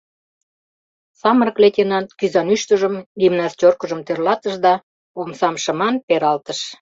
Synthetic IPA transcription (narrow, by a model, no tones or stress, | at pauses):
sɑməɾəkletʲenɑnkyzɑnyʃt̪əʒəmd̪ʲimnɑst͡ɕorkəʒəmt̪erlɑt̪əʃd̪ɑ | omsɑmʃəmɑnpeɾɑlt̪əʃ